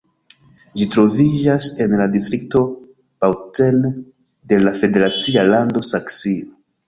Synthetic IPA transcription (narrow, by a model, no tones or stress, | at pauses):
d͡ʒitɾo̞vid͡ʒase̞nladistɾik̚to̞ | pawte̞n | de̞lafe̞de̞ɾat͡sialando̞saksio